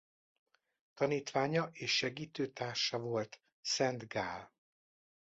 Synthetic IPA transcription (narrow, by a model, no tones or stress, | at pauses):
t̪ɒniːt̪ʋaːɲɒʔeːʃːɛɡiːt̪øːt̪aːrʃɒvo̞lt̪ | sɛnd̪ɡaːl